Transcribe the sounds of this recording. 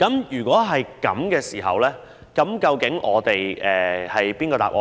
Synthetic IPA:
kɐ˨˥mjyː˨˩kʷɔː˨˥ɦɐ˨jkɐ̰˨˥mkɛː˧siː˨˩ɦɐ̰˨wlɛː˥ | kɐ˨˥mkɐ˧wkɪ˨˥ŋʔɔ̰ː˨˧t̪e˨jʔɛː˨˩hɐ˨jpiː˥nkɔː˧t̪a̰ː˨p̚ʔɔ̰ː˧

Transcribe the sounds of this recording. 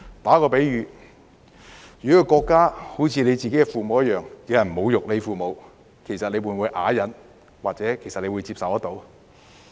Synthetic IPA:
t̪aː˨˥kɔː˧pe˨˥jɥyː˨˧ | jyː˨˩˥ɔ˧kɔː˧kːaː˥ho˨˥wt͡sʰiː˧ne˨˧jt͡siː˨ke˨˥kɛ˧fuː˨˩mo˨wjɐ˥t̚jœː˨˩ŋji˨˧jɐ˨˩nm̩˨mo˨˧wjʊ˨k̚le˨˧jfuː˨mo˨˧w | kʰe˨˩jsɐ˨t̚le˨˧jwuː˨˧nwuː˨˧jʔaː˨˥jɐ˨˧˥n | waː˨k̚t͡sɛː˨˥kʰe˨˩jsɐ˨t̚le˨˧wuː˨˧jt͡siː˧p̚sɐ˨wɐ˥t̚t̪o˨˧w

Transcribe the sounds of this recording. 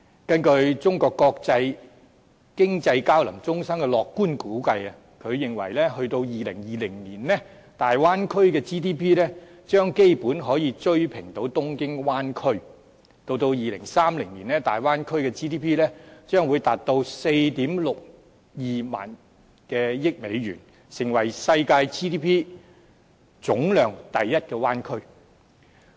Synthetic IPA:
kɐ˥nkɵ˧ɥt͡sʊ˥ŋkɔː˧kːɔː˧k̚t͡sɐ˧j | kɪ˥ŋt͡sɐ˧jkaː˥wlɐ˨˩mt͡sʊ˥ŋsɐ˥mkɛː˧lɔː˨kːuː˥nkuː˨˥kɐ˧jɐ˨ | kʰɵ˨˧ɥjɪ˨ŋwɐ̰˨˩jlɛː˥hɵ˧ɥt̪o˧wjiː˨lɪ̰˨˩ŋjiː˨˧lɪ˨˩ŋniː˨˩nlɛː˥ | t̪aː˨jwaː˥nkʰɵ˥ɥkɛː˧t͡siː˥t̪ʰiː˥pʰiː˥lɛː˥t͡ʃœː˥ŋke˥jpuː˨˥nɦɔː˨˥jiː˨˧t͡ʃɵ˥ɥpʰɪ˨˩ŋt̪o˨˥wt̪ʊ˥ŋkɪ˥ŋwaː˥nkʰɵ˥ɥ | t̪o˧wt̪o˧wjiː˨˩lɪ̰˨˩ŋsaː˥mlɪ˨˩ŋniː˨˩nlɛː˥t̪aː˨˩jwaː˥nkʰɵ˥ɥkɛː˧t͡siː˥t̪iː˥pʰiː˥lɛː˥t͡ʃœː˥ŋwu˨˧jt̪aː˨t̚t̪o˧wse˧jt̪iː˨˥mlʊ˨k̚ | jiː˨ma̰ː˨˩n | kɛː˧jɪ˥k̚me˨˧jɥyː˨˩n | sɪ˨˩ŋwɐ˨˩jsɐ˧jkaː˧jt͡sʰiː˥t̪iː˥pʰiː˥ | t͡sʊ˨˥ŋlœː˨ŋt̪ɐ˨jːɐ˥t̚kɛː˧waː˥nkʰɵ˥ɥ

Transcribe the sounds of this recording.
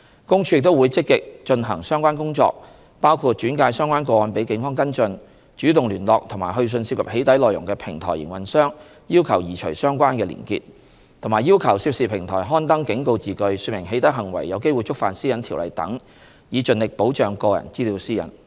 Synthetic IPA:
kʊ˥ŋt͡ʃʰy˨˧jɪ˨k̚t̪o˥wːjt͡sɪ˥kːɪ˨k̚t͡ʃɵ˧nɦɐ̰˨˩ŋsœː˥ŋkʷwaː˥nkʊ˥ŋt͡ʃɔ̰ː˧k̚ | paː˥wkʰu˧t̚t͡ʃyː˨˥nkaː˧jsœː˥ŋkʷwaː˥nkɔː˧wɔː˨˧npe˨˥jkɪ˨˥ŋfɔː˥ŋkɐ˥nt͡ʃɵ˧n | t͡ʃyː˨˥t̪ʊ˨ŋlyː˨˩nlɔː˨k̚t̪ʰʊ˨˩ŋma̰ː˨˩jɦɵ˧ɥs̬ɵ˧nsiː˧p̚kʰɐ˨˩phe˨˥jt̪ɐ˨˥jlɔː˨jʊ̰˨˩ŋkɛː˧pʰɪ˨˩ŋt̪ʰɔ̰ː˨˩jɪ̰˨˩ŋwɐ˨˩nsœː˥ŋ | jiː˥wkʰɐ˨˩wjiː˨˩t͡ʃʰɵ̰˨˩ɥsœː˥ŋkʷaː˥nkɛː˧lḭː˨˩nkḭ˧t̚ | t̪ʰmaː˨˩jiː˥wkʰɐ˨˩wsiː˧˥p̚siː˨˩pʰɪ˨˩ŋt̪ʰɔ̰ː˨˩jɦɔː˥nt̪ɐ˥ŋkɪ˨˥ŋko˧wt͡siː˨kɵ˧ɥsyː˧t̚mɪ˨˩ŋɦe˨˥jt̪ɐ˨˥ɦɐ˨˩ŋwɐ˨˩jːɐ˨˧wke˥jwu˨jt͡sʊ˥k̚fa̰ː˨nsiː˥jɐ˨˧nt̪ʰiː˨˩wlɐ̰˨jt̪ɐ̰˨˥ŋ | jiː˨˧t͡ʃɵ˧nlɪ˨k̚po˨˥wt͡ʃœː˨ŋkɔː˧jɐ̰˨˩nt͡siː˥liː˨˧wsiː˥jɐ̰˨˩n

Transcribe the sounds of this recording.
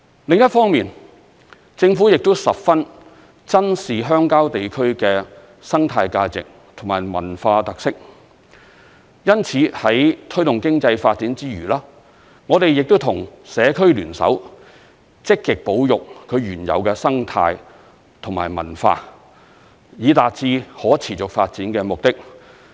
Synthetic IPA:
lɪ˨ŋjɐ˥t̚fɔː˥ŋmiː˨n | t͡sɪ˧ŋfuː˨˥jɪ˨k̚t̪o˥wsɐ˨p̚fɐ˥n | t͡sɐ˥nsiː˨ɦœː˥ŋkaː˥wt̪e˨jkʰɵ˥ɥkɛː˧ | sɐ˥ŋt̪ʰaː˧jkaː˧t͡sɪ̰˨k̚ | t̪ʰʊ˨˩ŋmaː˨˩jmɐ̰˨˩nfaː˧t̪ɐ˨k̚sɪ˥k̚ | jɐ˥nt͡sʰiː˨˧hɐ˨˥jt̪ʰɵ˥ɥt̪ʊ˨ŋkɪ˥ŋt͡sɐ˧jfaː˧t̚t͡siː˨˥nt͡siː˥ɥyː˨˩laː˥ | ŋɔː˨˧t̪e˨jɪ˨k̚t̪o˥wt̪ʰʊ˨˩ŋsɛː˨˧kʰɵ˥ɥlyː˨˩nsɐ̰˨˥w | t͡sɪ˥kːɪ˨k̚po˨˥wjʊ˨k̚kʰɵ˨˧ɥɥyː˨˩njɐ̰˨wkɛ˧sɐ˥ŋt̪ʰa̰ː˧j | t̪ʰʊ˨˩ŋma̰ː˨˩jmɐ̰˨˩nfa̰ː˧ | jiː˨˧t̪aː˨t̚t͡siː˧hɔː˨˥t͡sʰiː˨˩t͡sʊ˨k̚faː˧t̚t͡siː˨˥nkɛː˧mʊ˨k̚t̪ɪ˥k̚

